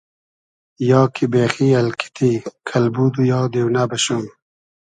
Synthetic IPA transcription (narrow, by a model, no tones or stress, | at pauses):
jɑːkʰibeːxialkʰi̥t̪ikʰalbud̪ujɑːd̪ewnabəɕum